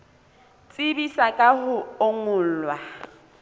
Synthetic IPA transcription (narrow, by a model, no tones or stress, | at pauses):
t͡sʼɪbisakʼahʊoŋʊːl̩lwa